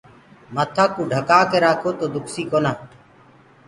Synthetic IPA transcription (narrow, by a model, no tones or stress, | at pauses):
mət̪ʰaːkũːɖʱəkaːkeːɾaːkʰoːt̪oːd̪ʊksiːkoːnaː